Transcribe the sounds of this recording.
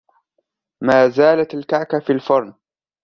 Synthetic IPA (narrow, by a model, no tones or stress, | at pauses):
maːzaːlat̪alkaʕkafilfɑɾˤn